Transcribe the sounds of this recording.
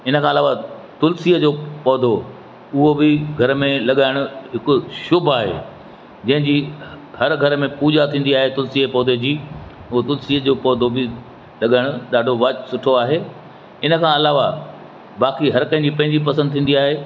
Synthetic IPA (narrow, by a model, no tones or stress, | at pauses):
ɪnəkʰãːɐlaːʋat̪ʊlsiːəd͡ʑoːpɔːd̪ʱo | ʊɦobɪɡʱɐɾmẽlɐɠaːɪɽ̃ʊɦɪkʊ̆ʃʊbʱaːɦḛː | d͡ʑɐ̃ɦɪ̃ɲd͡ʑi | hɐɾɡʱɐɾmẽpuːd͡ʑat̪ʰĩːn̆d̪iaːɦet̪ʊlsiepɔːd̪ʱed͡ʑiːʊɦot̪ʊlsiəd͡ʑoːpɔːd̪ʱobɪ | lɐɠaːɪɽ̃ʊɗaːɖʱoʋaːt͡ɕsʊʈʰoaːɦeː | ɪnəkʰãːɐlaːʋa | baːkiɦɐɾkɐ̃ɦɪ̃ɲd͡ʑipɐ̃ɦɪɲd͡ʑipɐsə̃nd̪t̪ʰĩːnd̪iaːɦeː